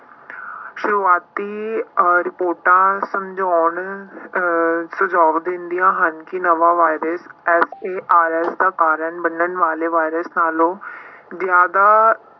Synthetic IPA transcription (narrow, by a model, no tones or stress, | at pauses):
ʃʊɾuːaːt̪iːɔːɾɪpoːɾʈãːsəmd͡ʒɔːɳ | sʊd͡ʒaːʋd̪ɪ̃nd̪ijãːɦənkɪnəʋaːʋaːɪɾəsɛːseːʔaːɾɛːsd̪aːkaːɾəɳbənəɳʋaːleːʋaːɪɾəsnaːlõːzɪjaːd̪aː